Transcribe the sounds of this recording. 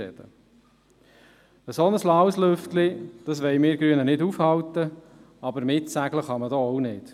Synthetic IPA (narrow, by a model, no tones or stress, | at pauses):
ɛ̰d̥̪ə | əsɔnəslɑwslʏftlid̪̥ɑsʋɛjmɪːɾɡ̥ɾyːənənɪdufhɑlt̪ə | ɑbəɾmɪtsæɡləχɑməd̪ɔɔwnɪd̥